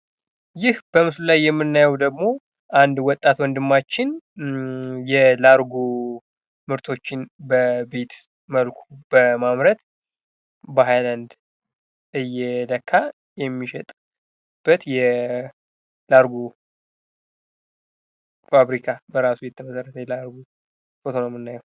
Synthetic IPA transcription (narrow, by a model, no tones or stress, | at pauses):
jɪhb̥əmɨslulajːɛmːɨnːajɛwd̪əɡmo̞ | ʔand̪wɔt̪ʼːat̪wɔnd̪ɨmːat͡ʃːɪn | jɛlaɾɡu | mɨɾt̪ʰo̞t͡ʃːɪnbəbet̪ | məlkʰubəmamɾət̪ | bəɦajland̪ | ɨjːɛləkʰːa | jɛmːiʃɛt̪ʼ | b̥ət̪jɛ | laɾɡu | faβɾikʰabəɾasujɛt̪ʰːəməsərːət̪ʰəjɛlaɾɡu | fot̪ʰonomɨnːajɛw